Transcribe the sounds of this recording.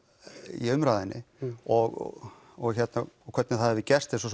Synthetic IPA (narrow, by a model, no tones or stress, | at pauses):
ḭʏmɾaːðɪnːɪ̰ɔɣ̰ | ɣçɛt̪nakʰvɛt̪nɪθaðhɛvɪcɛst̪ɪs̬ɔs